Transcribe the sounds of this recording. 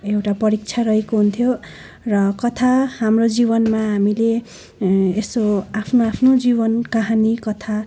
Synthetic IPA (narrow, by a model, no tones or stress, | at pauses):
ewʈapʌɾik̚t͡sʰarʌɦekoɦunt̪ʰjo | rʌkʌt̪ʰahamrod͡zibʌnmaɦamile | esoapʰnoapʰnod͡zibʌnkaɦanikʌt̪ʰa